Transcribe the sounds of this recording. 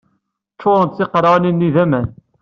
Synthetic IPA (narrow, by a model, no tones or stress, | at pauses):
t͡ʃːʊɾˤənt̪θɪqɾˤɑninːiðæmæn